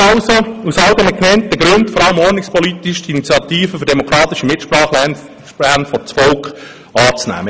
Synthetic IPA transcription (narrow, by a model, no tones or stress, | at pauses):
ɑʊsousɑlɡənəknɛnt̚ːəɡɾøntfɔɾɑləmɔrnɪkspɔlit̪iʃdiinit͡sjɑt̪iːfəfʏɾdɛmokʰɾɑːt̪ɪʃəmɪtʃpɾɑːχlɛn | ærnfɔt͡sfɔlkχ | ɑːt͡snæ̰ːmə